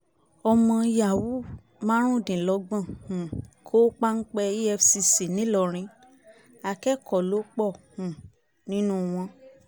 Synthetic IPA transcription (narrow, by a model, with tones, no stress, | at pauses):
ɔ˧mɔ̃˧ja˨wu˦ | mãː˦ɾ̃ũ˦˨dĩ˨lɔ˨˦ɡ͡bã˦˨hũ˨kʰo˦k͡pa˦n̩˦k͡pɛ˧i˦ɛ˧fsi˧si˨nĩ˨˦lɔ˧˨ɾ̃ĩ˧˦ | a˧˨kɛ˦kɔ˨lo˨˦k͡pɔ˦˨hũ˨ | nĩ˨˦nũ˦w̃ɔ̃˧